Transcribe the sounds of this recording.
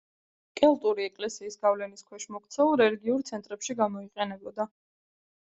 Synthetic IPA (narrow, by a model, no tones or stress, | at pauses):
kʼɛlˠt̪ʼuɾiɛkʼlɛsiːsɡavlɛniskʰwɛʃmɔkt̪sʰɛulˠɾɛliɡiuɾt̪sʰɛnt̪ʼɾɛpʃiɡamɔiqʼɛnɛbɔd̪a